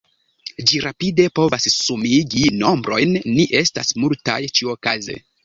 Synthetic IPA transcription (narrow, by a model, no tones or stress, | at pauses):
d͡ʒiɾapide̞po̞vasːumiɡino̞mbɾo̞jnːiʔe̞sta̰smulta̰jt͡ʃiokazḛ